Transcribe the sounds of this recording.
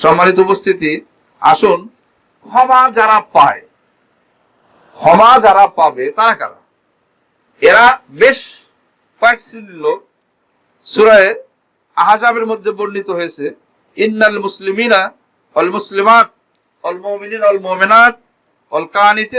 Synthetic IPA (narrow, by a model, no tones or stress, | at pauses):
ʃɔmːanit̪̬oupost̪ʰit̪i | a̰ʃun | kʰɔmad͡ʑaɾapːae | kʰɔmad͡ʑaɾapabet̪aɾaka̰ɾa̰ | eɾabeʃ | kɔekʃinlːo | suɾaeɾ | aɦad͡ʑameɾmod̪ʱːeboɾnːit̪oɦojet͡ɕʰe | inːalmʊslimiːna | walmʊslimaːt̪̚ | walmominiːnwɐlmominat̪̚ | wɐlkaːnit̪